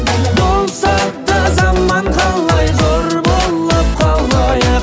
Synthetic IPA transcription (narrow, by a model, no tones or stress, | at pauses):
bʊlˠsɑt̪ːəzɑmːɑɴqɑlˠːɑjqʰoɾbolˠːəp̚qʰɑlˠɑj